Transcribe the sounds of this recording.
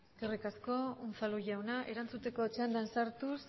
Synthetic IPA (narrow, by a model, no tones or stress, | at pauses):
ɡerikasko̞unfaluʝawnaʔe̞ɾant͡sut̪e̞ko̞t͡ʃeand̪aensaɾt̪us